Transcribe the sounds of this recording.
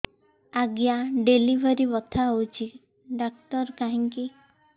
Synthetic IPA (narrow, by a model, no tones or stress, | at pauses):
aɡjaɖelibʱɔɾibɔt̪ʰaɦowt͡ʃʰi | ɖak̚t̪ɔɾkaɦiŋki